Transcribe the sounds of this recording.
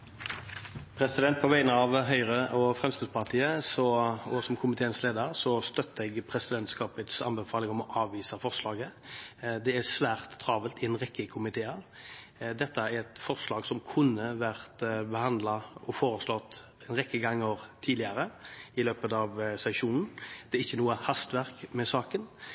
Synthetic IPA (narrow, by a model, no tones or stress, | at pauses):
pʰɾɛsɪd̪ɛnt̪̚pʰɔʋæɪnəɑʋɦœʏʁəʔɔfʁɛmskɪd̪spɑʁt̪ʰiːəsɔɔsɔmkʰʊmɪt̪ʰeːənsleːd̪əɾsɔst̪œt̪ːəɛɡpʰɾɛsɪd̪ɛnt̪skɑːpət̪sɑ̰nbəfɑːlɪŋɔmɔʔɑːʋːiːsɑfɔʁslɑːɡə | d̪ɛæsʋæːʁt̪ːʰɾɑːʋəlt̪ɪɛnʁɛkːəkʰʊmɪt̪ʰeːɑʁ | d̪ɛt̪ːəæɾɛt̪fɔʁslɑːɡsɔmkʰʉnːəʋæʁt̪bəhɑnd̪lɑɔfoːɾəslɔt̪ː | ɛnʁɛkːəɡɑŋːəʁt̪ʰiːd̪ɪəɾəɪløːpət̪ɑʋsɛʂuːnn̩d̪̥ɛɾɪçːənuːəhɑst̪ʋæʁkmɛsɑːkən